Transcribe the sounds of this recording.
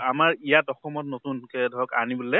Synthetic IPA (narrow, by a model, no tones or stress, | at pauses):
amaɹijatɔxɔmɔtnotunkɛdʱɔɔka̰nibulɛ